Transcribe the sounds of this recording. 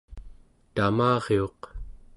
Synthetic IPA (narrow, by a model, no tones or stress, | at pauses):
t̪amɑːʁeo̞q